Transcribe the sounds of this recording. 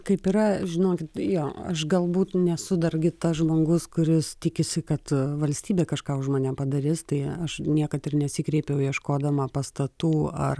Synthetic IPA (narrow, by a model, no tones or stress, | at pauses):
kɐɪpiɾɐʒʲɪnoːkʲɪt̪joːɐʃɡɐlˠbuːt̪nʲɛsʊd̪ɐɾʲɡʲɪt̪ɐsʒmoːɡʊskʊɾʲɪst̪ʲɪkʲɪsʲɪkɐt̪ʋɐlʲsʲt̪ʲiːbʲeːkɐʃkɑːʊʒmaːnʲɛpɐd̪ɐɾʲɪst̪ɐɪɐʃnʲiɛkɐt̪ɪrnʲɛsʲiːkɾʲɛɪpʲjɛʊjiɛʃkoːd̪ɐmɐpɐst̪ɐt̪uːɐ̰r